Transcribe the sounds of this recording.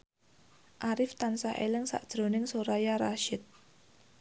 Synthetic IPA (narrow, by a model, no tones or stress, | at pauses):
ʔaɾɪft̪ansaʔelɪŋsa̰ʔd̥ʒ̥ɾo̤nɪŋsoɾajaɾaʃɪt̪̚